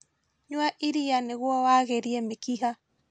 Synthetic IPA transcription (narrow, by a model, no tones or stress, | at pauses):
ɲwaʔiɾianeɣwɔwaɣeɾiɛmekiɦa